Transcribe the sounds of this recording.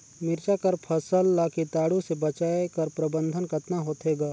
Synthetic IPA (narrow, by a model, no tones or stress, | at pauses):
mɪɾt͡ʃakɐɾpʰəsəlːaːkit̪aːɽũsebət͡ʃaːekɐɾpɾəbə̃nd̪ʱənkət̪naɦoːt̪eːɡaː